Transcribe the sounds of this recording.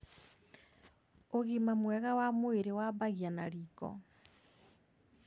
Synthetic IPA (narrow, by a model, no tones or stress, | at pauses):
oɣimamwɛɣawamoeɾewaβaɣjanaɾikɔ̰